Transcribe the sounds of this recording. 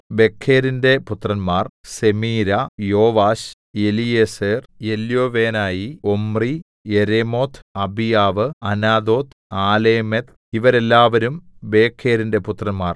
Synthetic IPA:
be̞kʰːeːɾinde̞put̪rɐnmaːrse̞miːɾɐjo̞ːʋaːɕ | elijeseːrjeljoːʋeːnaːjiomri | jeɾemo̞ːt̪ʰɐbijaːʋɨɐnaːd̪o̞ːt̪ | aːleːmet̪ | iʋɐɾe̞lːaːʋɐɾumbe̞ːkʰːeːɾinde̞put̪rɐnmaːr

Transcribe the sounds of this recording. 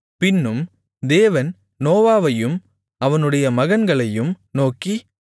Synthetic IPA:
pɪnːɯm | d̪eːʋɐn | noːʋaːʋɐjɯm | ɐʋɐnɯɽɐjɐmɐɣɐnɡɐɭɐjɯm | noːki

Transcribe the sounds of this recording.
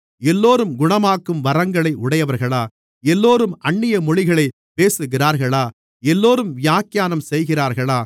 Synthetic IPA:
ɛlːoːɾɯmɡʊɳɐmaːkːɯmʋɐɾɐŋɡɐɭɐɪʔʊɽɐjɐʋɐɾɣɐɭaː | ɛlːoːɾɯmɐɳːɪjɐmɔɻɪɣɐɭɐɪ | peːsɯɣɪraːɾɣɐɭaː | ɛlːoːɾɯmʋɪjaːkːjaːnɐmsɛjɣɪraːɾɣɐɭaː

